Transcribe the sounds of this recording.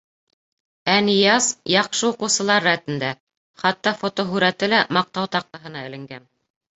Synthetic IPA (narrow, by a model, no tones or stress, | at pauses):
ænijɑsjɑqʃɤuqɤ̆wsɤ̆lˠɑɾːæt̪ɘ̆nd̪æ | χɑt̪ːɑfot̪oɦʉɾæt̪ɘlæmɑq̚t̪ɑwt̪ɑq̚t̪ɑɦɤ̆nɑɘ̆lɘ̆ŋɡæn